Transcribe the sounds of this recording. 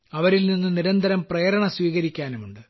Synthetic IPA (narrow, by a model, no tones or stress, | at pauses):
ɐʋɐɾilninːɨniɾɐnd̪ʱɐɾɐmprejːɾɐɳɐsʋiːɣɐɾikʲːaːnumuɳɖɨ